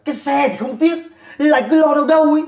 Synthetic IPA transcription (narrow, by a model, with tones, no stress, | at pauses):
kaː˨˦jsɛ˧t̪ʰi˨˩xə˧wŋ͡mt̪i˦˥ət̚la̰ː˧˨jkɨ˨˦lɔ˧ɗə˧wɗə˧wj